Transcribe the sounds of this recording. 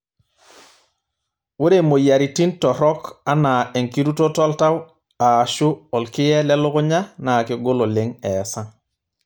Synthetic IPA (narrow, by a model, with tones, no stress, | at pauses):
wu˦ɾe˨mo˨ja˨ɾi˨ti˦ntɔ˨ɾɔ˦ka˦na˨e˨ŋki˦ɾu˦to˦to˦lta˦w | a˨ʃu˦ɔ˨lki˦je˦le˦lu˦ku˦ɲa˦na˨ki˨ɡo˦lo˨le˦ŋe˨sa˦ŋ